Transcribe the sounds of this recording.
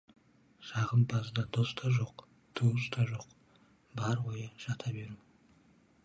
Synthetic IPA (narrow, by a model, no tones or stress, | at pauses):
ʒɑʁəmbɑzd̪ɑd̪ost̪ɑʒo̞q | t̪ʰuwəst̪ɑʒo̞q | bɑɾwojəʒ̥ɑt̪ʰɑbeɾumɪ